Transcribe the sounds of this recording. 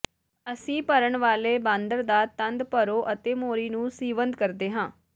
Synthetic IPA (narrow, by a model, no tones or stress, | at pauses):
əsĩːpəɾəɳʋaːleːbãːnd̪əɾd̪aːt̪ənd̪pəɾoːʔət̪eːmoːɾiːnũːsiːʋənd̪kəɾd̪eːɦãː